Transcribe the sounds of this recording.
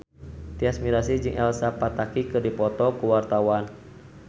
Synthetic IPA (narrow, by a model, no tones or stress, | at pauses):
t̪iasmiɾasid͡ʒɨŋʔɛlsapat̪akikɨrdipɔt̪ɔkuwart̪awan